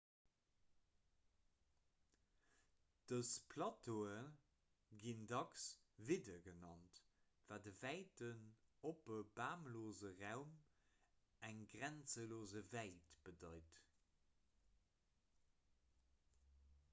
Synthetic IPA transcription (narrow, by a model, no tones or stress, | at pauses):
d̥əspʰlɑtʰoːə | ɡindɑksvidɐɡənɑnt | vaːdəvæɪtənopəbaːmloːzəʁaʊm | æŋɡʁænt͡səloːzəvæɪtb̥ədɑɪt